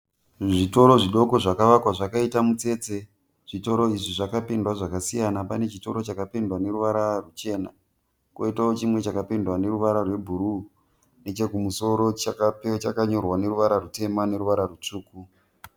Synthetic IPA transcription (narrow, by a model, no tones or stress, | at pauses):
ʐito̞ɾo̞ʐiɗo̞ko̞ʐakaʋakwaʐakaitamut͡se̞ːt͡se̞ | ʐ̥ito̞ɾo̞iʐiʐakapindwaʐakasijanapane̞t͡ʃito̞ɾo̞t͡ʃakapindwane̞ɾuʋaɾarut͡ʃe̞ːna | ko̰itaot͡ʃimwe̞t͡ʃakapindwane̞ɾuʋaɾarwe̞bʱuɾu | ne̞t͡ʃe̞kumuso̞ɾo̞t͡ʃakapet͡ʃakaɲo̞rwane̞ɾuʋaɾarute̞mane̞ɾuʋaɾarut͡ʂuːku